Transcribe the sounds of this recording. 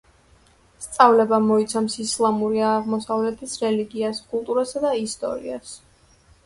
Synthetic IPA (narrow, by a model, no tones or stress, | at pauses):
st̪sʼavlɛbamɔit̪sʰamsislˠamuɾiaʁmɔsavlɛt̪ʰisɾɛliɡiaskʼulˠt̪ʼuɾasad̪aist̪ʼɔ̰ɾḭas